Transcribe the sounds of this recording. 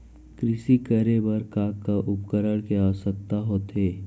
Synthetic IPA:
kɾɪsikəɾebɐɾkaːkːaʔʊpkəɾəɽkeasək̚t̪aɦoːt̪ɦeː

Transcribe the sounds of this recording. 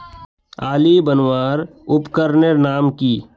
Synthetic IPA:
aːlibənwaːɾ | ʊpkəɾneɾnaːmkiː

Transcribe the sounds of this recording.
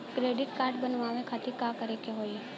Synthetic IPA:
kɾeːɖɪʈkaːɾʈbənʋaːʋekʰat̪ikakəɾekeɦoːi

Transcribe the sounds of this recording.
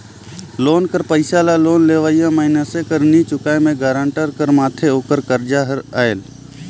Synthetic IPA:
loːnkəɾpəɪsaːlaːloːnleːʋaːijãmaɪnəsekəɾnit͡ʃʊkaːemẽːɡəːɾəɳʈəɾkəɾmaːt̪ʰeoːkəɾkəɾd͡ʒaːɦəɾaːeːl

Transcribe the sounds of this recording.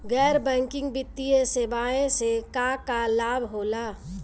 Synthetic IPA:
ɡɛːɾbɛ̃ːŋkɪ̃ŋɡbɪt̪ːiesebaːẽsekakalaːbɦoːlaː

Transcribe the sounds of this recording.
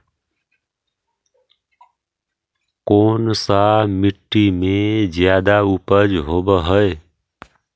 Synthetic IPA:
konsamiʈːimed͡ʒjad̪aupəd͡ʒɦobəɦəe

